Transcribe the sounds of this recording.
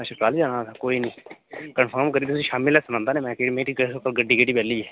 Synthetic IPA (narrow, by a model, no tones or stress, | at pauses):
ɛʃəkaːld͡ʒaːnaːt̪ʰakoːiːnĩːkənpʰəɾmkəɾiːb̪t̪ʊsĩːʃaːmɪlɛːsnãːnd̪aːnẽːmɛ̃ːkeimeːɾiɡkəɡəɖːiːɡeɖiːbɛːlːiːɛː